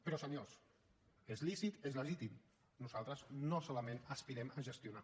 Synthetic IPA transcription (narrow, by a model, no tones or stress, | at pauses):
pəɾɔsəɲos | ezlisit̪ezləʒit̪im | nuzalˠt̪ɾəznosoləmẽnəspiɾɛməʒəst̪juna